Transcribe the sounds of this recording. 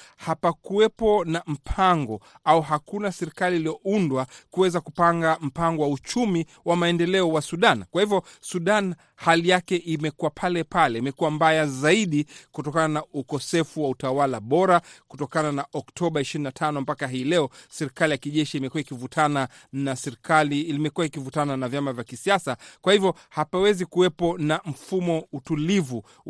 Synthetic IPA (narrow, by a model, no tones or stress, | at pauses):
hapakuwɛpɔnam̩pʰaŋɡɔ | auɦakunasɛɾikaliːlijɔʔundwakuwɛzakupaŋɡam̩paŋɡɔwaut͡ʃumi | wamaɛndɛlɛɔwasuɗankwahivjɔsuɗan | halijakɛʔimɛkuwapʰalɛpʰalɛimɛkuwambajazaiɗikutɔkananaukɔsɛfuwautawalaɓɔɾaku̥tɔkananaʔɔktʰɔɓaiʃiɾinatʰanɔmpakaɦiːlɛɔsɛɾikalijakiʄɛʃiimɛkuwaikivutʰana | nasɛɾikʰaliimɛkuwaikivutananavjamavjakisiasakwahivjɔ | hapawɛzikuwɛpɔnam̩fumɔutulivu